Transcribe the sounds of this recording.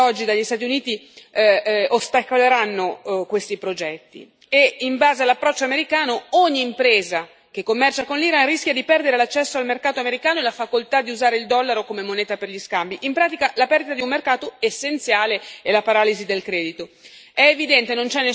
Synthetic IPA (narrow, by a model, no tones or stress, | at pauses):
ɔd͡ʒːid̪aʎːist̪aːt̪iuniːt̪i | ost̪akoleɾanːokwest̪ipɾod͡ʒɛt̪ːḭ | eimbaːzealapːɾɔt͡ʃːoameɾikaːnooɲːiːmpɾeːza | k̟ekːomːɛrt͡ʃakonliɾanrisk̟jad̪ipɛrd̪eɾelat͡ʃːɛsːoalmerkaːt̪oameɾikaːnoelafakolt̪ad̪iuzaːɾeild̪ɔlːaɾokomemonɛːt̪aperʎiskambiʔimpɾaːt̪ikalapɛrd̪it̪ad̪iummerkaːt̪oesːent̪sjaːleelapaɾaːlizid̪elkɾɛːd̪it̪oɛːvid̪ɛnt̪enont͡ʃɛnːe